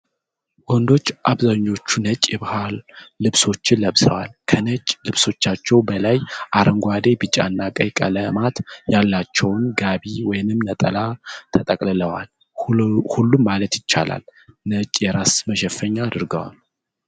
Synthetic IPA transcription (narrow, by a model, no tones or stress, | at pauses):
wɔnd̪o̞t͡ʃːʔaβzaɲːo̞t͡ʃːunət͡ʃʼjɛβahalːɨβso̞t͡ʃːɪnləβsəwalkʰənət͡ʃʼlɨβso̞t͡ʃːat͡ʃːɛwbəlajʔaɾʔəŋɡʷwad̪e̞bɨt͡ʃʼa̰nːakʼəjkʼə̰ləmat̪jalːat͡ʃːɛwnɡaβiwɔjɪnɨmnət̪ʼəlat̪ʰət̪ʼəkʼlɨləwa̰l | hulːumːalət̪jɪt͡ʃːa̰la̰lnət͡ʃʼjɛɾasməʃ̬ɛfːəɲːaːd̪ɨɾɡəwa̰l